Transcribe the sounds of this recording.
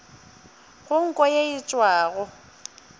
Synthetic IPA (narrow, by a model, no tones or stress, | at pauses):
ɣʊŋ̩kʼɔjeɪt͡ʃʼwaːɣɔ